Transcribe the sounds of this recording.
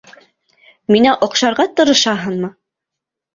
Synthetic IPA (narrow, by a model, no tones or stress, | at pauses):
minæʔŏqʃɑɾʁɑt̪ɤ̆ɾɤ̆ʃɑɦɤnmɤ